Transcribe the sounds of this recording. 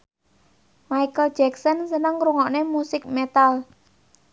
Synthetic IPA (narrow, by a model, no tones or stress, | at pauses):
majkəl̥d͡ʒɛksɔnsənəŋɾuŋɔʔnemusɪk̚met̪al